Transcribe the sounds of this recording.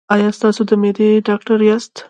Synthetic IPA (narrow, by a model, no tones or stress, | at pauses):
ɑjɑst̪ɑsod̪əmed̪eɖɑk̚ʈaɾjɑst̪